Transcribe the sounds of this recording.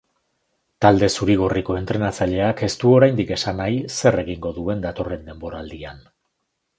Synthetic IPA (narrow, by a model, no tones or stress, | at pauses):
t̪ald̪e̞suɾiɣ̞o̞riko̞e̞nt̪ɾe̞nat͡saʎe̞ake̞st̪uo̞ɾajnd̪ike̞sanajse̞re̞ɣiŋɡo̞ðue̞nd̪at̪o̞re̞nd̪e̞mbo̞ɾaːld̪ian